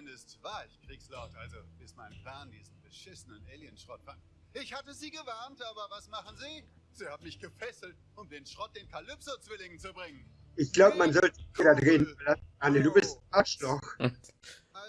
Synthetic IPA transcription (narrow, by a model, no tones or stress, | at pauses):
ɪndəstv̥aːɐɪçkʁ̥iːkslaʊtʔalzob̥ɪsmaɪnəpl̥aːndiːzn̩bəʃɪsənənʔɛːljənʃʁ̥ɔtfan | ʔɪçhatəziːɡəvaɐntʔaːbɐvasmaχn̩ziː | z̥iːhaːmɪçɡ̥əfɛsl̩t | ʊmd̥eːnʃʁ̥ɔt̚d̥eːnkʰalʏpsot͡sv̥ɪlɪŋt͡subʁɪŋən | ʔɪçɡ̥laʊbəmanzɔltç̥ɛdadʁeːdn̩fɐlas̩ʔanəduːbɪstʔaʃlɔx